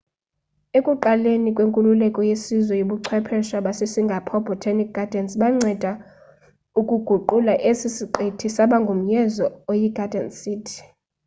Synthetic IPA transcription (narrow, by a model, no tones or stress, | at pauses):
ekʼuǃalenikʼweŋkʼululɛkʼɔjesizwɛjoɓuǀʰwɛpʰɛʃaɓasesiŋɡʱapʰɔbʱɔtʰanik̚ɡʱad̥ʱɛnsɓaŋ͡ǀɛd̥ʱa | ukʼuɡ̥ʱuǃulaʔesisiǃetʰisaɓaŋɡʱom̩jɛzɔojiɡ̥ʱad̥ʱɛnsiːtʰi̥